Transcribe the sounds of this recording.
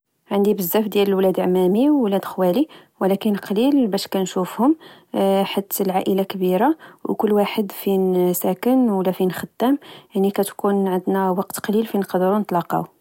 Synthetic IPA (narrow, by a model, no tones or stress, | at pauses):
ʕənd̪ibəzːæfd̪jæləlwlæd̪ʕmæmiwːlæd̪xwæli | wəlækənqɑlilbæʃkænʃufhʊm | ħat̪ːəlʕaʔəlakbiɾawkʊlːwaħəd̪finsækənwəlːæfinxət̪ːæmjəʕnːikæt̪kunʕənd̪næwɑqt̪qɑlilfinqd̪ɾunət̪ˤlɑqɑ̰w